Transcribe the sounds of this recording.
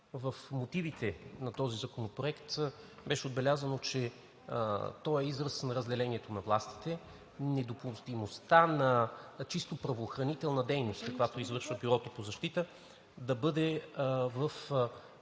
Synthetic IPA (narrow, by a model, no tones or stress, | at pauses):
vəfmot̪ivit̪ɛnɐt̪ɔzizɐkonopɾoɛkt̪ | bɛʃɛod̪bɛlʲazənot͡ʃɛ̰ | t̪ɔɛizɾəsnɾɐzd̪ɛlɛniɛt̪onɐvlˠast̪i̥t̪ɛ | nɛd̪opost̪imost̪anɐt͡ʃist̪opɾɐvoːxɾɐnit̪ɛlˠnɐd̪ɛjnost̪kɐkovjat̪oizvɤɾʃvəbiɾɔt̪opozɐʃt̪it̪ə | d̪ɐbɤd̪ɛvəf